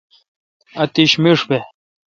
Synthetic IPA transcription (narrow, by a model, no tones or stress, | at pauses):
ɐt̪iɕmiʂbe